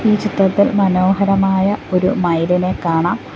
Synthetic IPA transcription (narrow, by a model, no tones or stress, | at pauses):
iːt͡ɕit̪rɐt̪ːilmɐno̞ːɦɐɾɐmaːjɐoɾumɐjline̞kːaːɳaːm